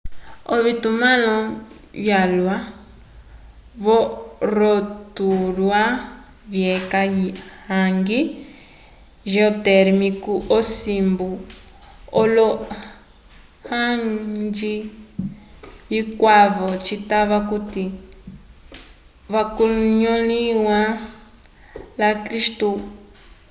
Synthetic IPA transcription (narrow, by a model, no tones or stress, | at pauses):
ɔβitumãlɔ | βjalwa | βɔɾɔtuɾwa | βjɛkajihaŋɡi | ʒɛɔtɛɾmikuʔɔsimbu | olo | hãŋd͡ʒi | βikʷaβot͡ʃit̪aβakut̪i | βakuɲõlĩwã | lakɾiʃt̪u